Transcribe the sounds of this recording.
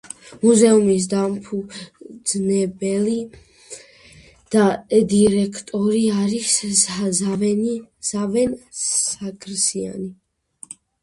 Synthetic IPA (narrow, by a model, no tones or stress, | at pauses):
muzɛumis̬d̪ampʰud̪znɛbɛli | d̪̥ad̪iɾɛkʰt̪ʼɔɾiaɾis | avɛnz̥avɛnsakʰɾsia̰ni